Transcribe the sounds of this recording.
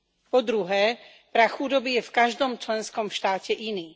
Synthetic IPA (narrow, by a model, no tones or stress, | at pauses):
pɔd̪ɾuɦɛː | pɾaxud̪ɔbijɛfkaʒd̪ɔmt͡ʃlɛnskɔmʃt̪aːcɛʔiniː